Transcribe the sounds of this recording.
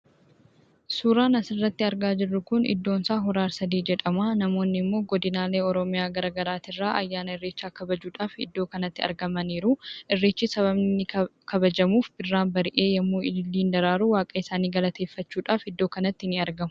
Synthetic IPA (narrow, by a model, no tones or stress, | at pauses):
suːɾaːnɐsɪrːɐt̪ːɪɐɾɡaːd͡ʒɪrːʊkʊnɪ̰d̪ːo̞ːnsaːɦɔɾaːɾsɐd̪iːd͡ʒɛᶑɐmaːnɐmo̞ːnːɪmːo̞ːɡɔd̪ɪnaːle̞ːɔɾɔmɪjaːɡɐɾɐːɡɐɾaːt̪ɪrːaːʔɐ̰jːaːnɐɪrːeːt͡ʃːaːkɐbɐd͡ʒuːᶑaːfɪd̪ːo̞ːkɐnɐt̪ːɪɐ̰ɾɡɐmɐniːɾuːʔɪrːeːt͡ʃːɪsɐβɐbnɪkʰɐbɐd͡ʒɐmuːfbɪrːaːnbɐɾɪʔeːjɐmːuːɪlːiːnd̪ɐɾaːɾuwaːkʼɐɪsaːniːɡɐlɐt̪ʰe̞ːfːɐt͡ʃːuːᶑaːfɪd̪ːo̞ːkɐnɐt̪ːɪɪnɪɐɾɡɐmʊ